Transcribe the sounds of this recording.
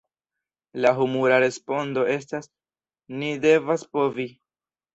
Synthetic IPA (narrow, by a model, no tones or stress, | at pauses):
laɦumuɾaɾe̞spo̞ndo̞e̞s̬tas | nide̞vaspo̞vi